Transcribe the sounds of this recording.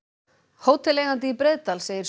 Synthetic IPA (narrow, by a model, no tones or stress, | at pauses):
hoːwt̪ʰɪlɛːɣant̪̬ɪipɾeðt̪alseːjɪɾ̥s